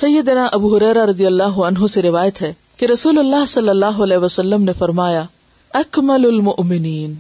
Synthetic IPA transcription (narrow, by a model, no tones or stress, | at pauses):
sɐjːəd̪naʔɐbuːɦʊɾɛːɾaɾɐd̪ijɐlːaːɦʊɐnɦoseɾɪʋaːjət̪ɦɛ | keɾɐsuːlɐlːaːɦsɐlːɐlːaːɦoɐlɛːɦʋɐsɐlːəmnefɐɾmaːja | ɐkmɐlʊlmʊʔmɪniːn